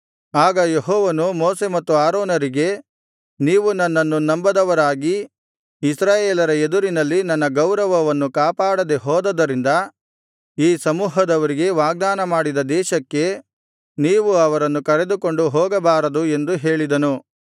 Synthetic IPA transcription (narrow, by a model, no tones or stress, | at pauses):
aːɡɐjeɦɔːʋɐnumoːse̞mɐt̪ːuaːɾoːnɐɾiɡe̞ | niːʋunɐnːɐnːunɐmbɐd̪ɐʋɐɾaːɡi | isɾaːjeːlɐɾɐed̪uɾinɐlːinɐnːɐɡɐwɾɐʋɐʋɐnːukaːpaːɽɐd̪eɦɔːd̪ɐd̪ɐɾind̪ɐ | iːsɐmuːɦɐd̪ɐʋɐɾiɡe̞ʋaːɡ̚d̪aːnɐmaːɽid̪ɐd̪ɛːʃɐkːe̞ | niːʋuɐʋɐɾɐnːukɐɾed̪uko̞ɳɖuɦɔːɡɐbaːɾɐd̪ue̞nd̪uɦe̞ːɭid̪ɐnu